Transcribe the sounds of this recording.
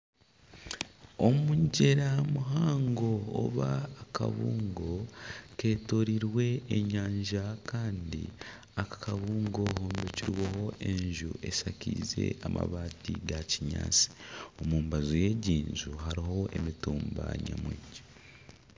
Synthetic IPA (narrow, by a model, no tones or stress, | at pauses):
o̞muɲɟe̞ɾamuɦaːŋɡo̞̰ːβaːka̰βuːŋɡo̞ke̞ːtoɾiɾwe̞ːɲaːɲʒakaːndḭ | akḁkaβuːŋɡo̞hoːmbeciɾweho̞ʔe̞ɲʒuʔe̞sacize̞̰ama̰βaːtiɡaciɲa̰ːt͡si̥omuːmbazoje̞ːɟiːnzuɦaɾiɦo̞ʔe̞mituːmba̰ɲa̰mwiːɲɟe